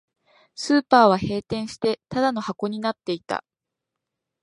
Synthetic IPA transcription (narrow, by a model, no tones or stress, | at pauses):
sɨːpaːβ̞ahe̞ːt̪ẽ̞ɰ̃ɕi̥t̪e̞t̪ad̪ano̞hako̞ɲ̟inat̪ːe̞it̪a̰